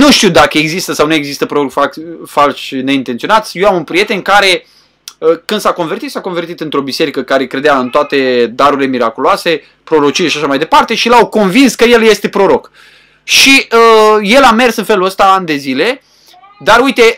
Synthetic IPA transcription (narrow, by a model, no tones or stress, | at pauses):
nuʃt̪iwd̪akəeɡzist̪əsawnuje̞ɡzist̪əpɾoɾokfafalʃne̞int̪ent̪io̞nat̪sʲjewamunpɾije̞t̪enkaɾe̞ | əkɨnd̪sako̞nve̞rt̪it̪sako̞nve̞rt̪it̪ɨnt̪ɾo̞bise̞ɾikəkaɾe̞kɾe̞d̪eaɨnt̪oat̪e̞d̪aɾuɾile̞miɾakuloase̞ | pɾo̞ɾo̞t͡ʃijeʃiaʃamajd̪e̞part̪e̞ʃilawko̞nvinskəje̞lje̞st̪e̞pɾo̞ɾo̞k | ʃiəje̞lame̞rsɨnfe̞luəst̪aand̪e̞zile̞ | d̪aɾujt̪e̞